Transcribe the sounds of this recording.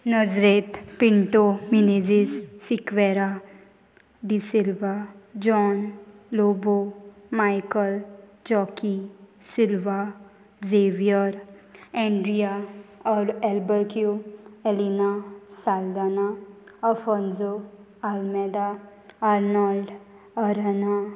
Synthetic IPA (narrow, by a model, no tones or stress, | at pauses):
nəd͡ʒɾeːt̪pɪɳʈominid͡ʒissɪkʋɛːɾa | ɖisɪlʋad͡ʒɔːn | loːbo | maːjkəld͡ʒɔːkisɪlʋa | zeːʋijəɾ | ɛ̃ːɳɖɾijaɔɾɛlbəɾkjuelinasaːld̪aːnaɐfɔnzo | almed̪a | aːɾnalɖ | ɐɾəna